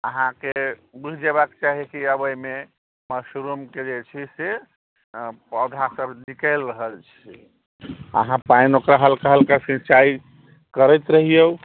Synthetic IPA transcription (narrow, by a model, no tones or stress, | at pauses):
əɦãkebiɦd͡ʒebakt͡ʃaɦikiəbəjme | məsɾumked͡ʒet͡ʃʰise | pəd̪ʱasəbnikəɪlɾəɦəlt͡ʃʰi | ə̰ɦãpainokɾaɦəlkaɦəlkasĩt͡ʃai | kəɾɛjt̪ɾəɦijə